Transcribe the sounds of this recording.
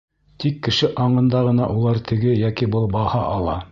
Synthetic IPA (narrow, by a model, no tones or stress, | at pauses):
t̪ikːɘ̆ʃɘʔɑɴɤ̆nd̪ɑʁɤ̆nɑʔulˠɑɾt̪ʰɘ̆ɡɘjækibɤlˠbɑhɑʔɑlˠɑ